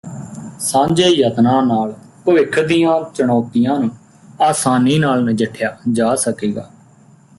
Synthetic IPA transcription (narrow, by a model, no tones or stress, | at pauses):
sãːɲd͡ʒeːjət̪nãːnaːlpəʋɪkʰːd̪ijãːt͡ʃəɽ̃ɔːt̪ɪjãːnũː | aːsaːniːnaːlnəd͡ʒəʈʰːjaːd͡ʒaːsəkeːɡa̰ː